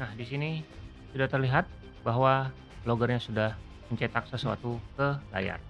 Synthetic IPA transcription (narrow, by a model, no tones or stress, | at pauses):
nahdisini | sudaht̪ərliɦat̪̚ | baɦwa | loɡərɲasudah | məɲt͡ʃet̪ak̚səsua̰t̪ukəla̰ja̰r